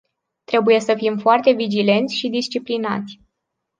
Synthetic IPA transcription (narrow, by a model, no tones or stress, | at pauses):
t̪ɾe̞buje̞səfimfoart̪e̞vid͡ʒile̞nt̪sʲʃid̪ist͡ʃiplina̰t̪sʲ